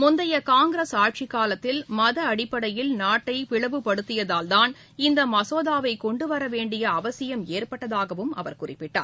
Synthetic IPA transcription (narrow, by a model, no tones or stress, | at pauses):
mʊnd̪ɐjɐkaːŋɡɾɐsaːʈ̚t͡ʃɪkːaːlɐt̪ːɪlmɐðɐːɽɪpːɐɽɐjɪlnaːʈːɐɪpɪɭɐʋɯpɐɽɯt̪ːɪjɐðaːld̪aːn | ɪnd̪ɐmɐsoːðaːʋɐɪkɔɳɖɯʋɐɾɐʋeːɳɖɪjɐːʋɐsɪjɐmeːɾpɐʈːɐðaːɣɐʋɯmɐ̰ʋɐɾkʊrɪpːɪʈːa̰ːɾ